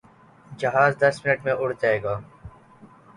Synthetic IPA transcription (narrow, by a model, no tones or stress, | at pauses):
d͡ʒəɦaːzd̪əsmɪnəʈmẽːʊɽ̤d͡ʒaːeːɡaː